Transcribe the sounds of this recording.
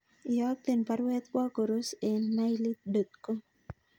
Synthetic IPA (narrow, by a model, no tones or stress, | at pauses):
jɔk̚t̪enpaɾwɛt̪̚kwɔkoɾosenːajlit̪̚dot̪̚ko